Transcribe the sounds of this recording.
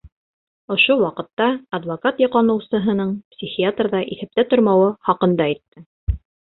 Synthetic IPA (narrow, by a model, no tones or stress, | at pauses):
ŏʃowɑqɤ̆t̪ːɑːd̪vokat̪jɑ̆qlɑnɤ̆wsɤ̆ɦɤ̆nɤɴpsʲixʲiat̪rðɑʔiθæ̆p̚t̪æt̪ŏɾmɑwɤχɑqɤ̆nd̪ɑit̪ːɘ